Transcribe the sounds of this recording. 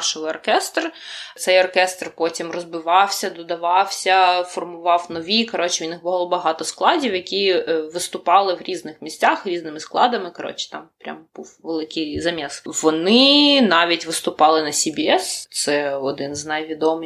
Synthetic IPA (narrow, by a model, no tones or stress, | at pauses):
rʃɪlˠɪɔrkɛst̪rt̪sɛjɔrkɛst̪rpɔtʲimrɔzbɪʋɑwsʲɐd̪ɔd̪ɐʋɑwsʲɐfɔrmʊʋɑwnɔʋʲikɐɾɔt͡ʃɪʊnɪxbɔlˠɔbɐɦɑt̪ɔsklˠɑdʲiwjɐkʲiʋɪst̪ʊpɑlˠɪwɾʲiznɪxmʲisʲt͡sʲaxɾʲiznɪmɪsklˠɑd̪ɐmɪkɐɾɔ̰t͡ʃɪ̥t̪ɑmpɾʲa̰mb̥uwʋelˠɪkɪjzɐmʲɛsʋɔnɪnɑʋʲitʲʋɪst̪ʊpɑlˠɪnɐsʲibʲiɛst̪sɛɔd̪ɪnznɐjʋʲid̪ɔmɨ